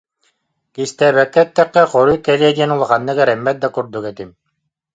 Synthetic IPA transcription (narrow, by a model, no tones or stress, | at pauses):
kist̪ɛːbɛkːɛt̪ːɛkːɛqɔɾujkːɛlʲiɛd̪iɛnulˠaχanːɯkɛɾɛmːɛt̪̚d̪akuɾd̪ukɛt̪im